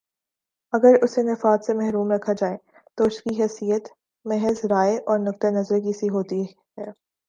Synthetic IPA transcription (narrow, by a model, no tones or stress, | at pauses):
ɐɡəɾʊsenɪfaːt̪semɛɦɾuːmɾɐkʰːad͡ʒaːe | t̪oʊskiɦɛːsijət̪ | mɛɦəzɾaːeʔɔːɾnʊk̚t̪enɐzɾk̬isiɦoːt̪i | ɦɛː